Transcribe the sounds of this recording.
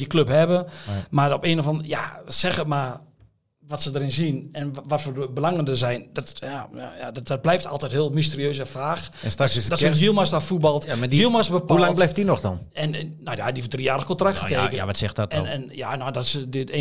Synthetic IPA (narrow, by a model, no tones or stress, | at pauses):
dikløphɛbəmaopeːnəfɔnja̰sɛɣətma | ʋɔtsədəɾɪnzinɛnʋɔtfəbəlaŋəndəzɛjndɔtjaja̰jadɔt̚blɛjftʰa̰lˠtɛɪthɪəlˠmis̬təriøːsəfaːxstakssdɔtɡiəlˠmastɔfut̚bɔlˠtmaiəlˠmasbəpʰaulablɛjftdinɔxdɔ̰nɛnnojadifdriːjaːrəxkontraktxətʰeːkəa̰ʋɔtsɛxtɔtɛnɛnjanodɔtsədɪte